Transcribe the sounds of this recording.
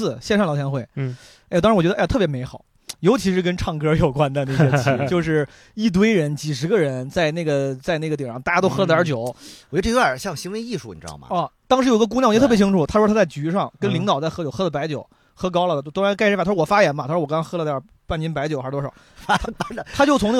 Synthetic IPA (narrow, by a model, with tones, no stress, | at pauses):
ɕjɛ˥˧nʂɑ˥˩lɑ˨˩ʊjɛ˧˥nxwe˥˩ɪ˥˩ | ɑ˥ŋɻwɥɛ˧˥ə˧˥˧t̪ʰɤ˥pjme˧˥ɪxɑ˨˩˦ʊ | jo˧˥ʊt͡ɕʰi˧˥ʂɻ̩˥˩k̬ə˥nʈ͡ʂʰɑ˥˩ŋkɤ˥jo˨˩ʊkwa˥nd̪ə˨˧ne˥˩ɛ˧t͡ɕʰt͡ɕo˥˧ʊʂ̬ɻ̩˥˩ | i˥˩t̪̬we˥ɪɻə˧˥nt͡ɕi˨˩ʂɻ̩˧˥ɡə˧ɻə˧˥nt͡sa˥˧ɪna˥˩ɡə˩t͡sa˥˧ɪna˥˩ɡə˩jɛ˨˩˥ŋt̪a˥˩ja˥o˥ʊxɤ˥lə˧t̪jɑ˧˥t͡ɕjo˨˩˦ʊwt͡ɕɛ˥˧˥ə˞˨˩ɕjɑ˥˩ŋɕi˧˥nwe˧˥i˥˧ʂu˥˩n˨˩ɻ̩˧ɑ̰˥˩˨mɐ̰˧˩ɔ˥˩t̪ɑ˥ŋʂɻ̩˧˥˨ɡə˧kŋj̪ʰt͡ɕi˥ʈ͡ʂʰu˨˩t̪ʰa˥˧˥t̪ʰːt͡sa˥˩ɪt͡ɕy˧˥ʂɑ˥˩ŋkə˥nli˧˥ŋt̪ɑ˨˩ʊt͡sa˥˩ɪxɤ˥t͡ɕjo˨˩ʊxɤ˥lə˨˩pa˧˥ɪt͡ɕjo˨˩˦ʊ | xɤ˥k̬ɑ˥ʊlə˨˥t̪ʰʊ˥ɻa˧˥nka˥ɪʂfa˥˩˧wɔ˨˩fa˥jɛ˧˥nmɐ˧˥˧ɔ˨˩kŋkɑ˥xɤ˥lə˧t̪jɐ˞˧˥ | pa˥˩nt͡ɕi˥np̬a˧˥ɪt͡ɕjo˨˦xa˧˥˧t̪ɔ˥ʂɑ˨˩˦ʊfa˥˨t̪ʰa˥t͡ɕjo˥˩ʊt͡sʰʊ˧˥ŋn˥˩